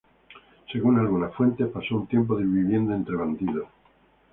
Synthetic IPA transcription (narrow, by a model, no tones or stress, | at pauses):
se̞ɣunalɣunasfwe̞nt̪e̞hpasount̪je̞mp̬oðeβiβje̞nd̪aent̪ɾeβand̪iðo